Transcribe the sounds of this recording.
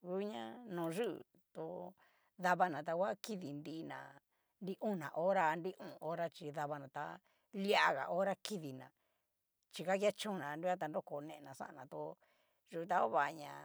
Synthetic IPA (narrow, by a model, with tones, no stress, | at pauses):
ɣu˦ɲã˦nõ˨ʐṵ˦˨ | t̪o˧ | ða˧βa˧nã˨t̪a˧kʷa˦ki˦ði˨nd̪i˧˦nã̰˨ | nd̪i˦ʔũ˦˨nã̰˨ʔo˦ɾa˧nd̪i˦ʔũ˨o˦ɾa˦t͡ʃi˧ða˧βa˧nã˨t̪a̰˧ | li˦a˦ɣa̰˨ʔo˦ɾa˦ki˦ði˨nã̰˨ | t͡ʃi˧ka˦kja˦t͡ʃũ˦˧nã˨˧ndi˦a˦t̪̬a˧no˦ko˨˧nẽ˧e˧nã˨sa̰˦ʔã˧˨nã˨t̪o˧ | ʐu˧t̪a˧o˦βa˨˧ɲã˧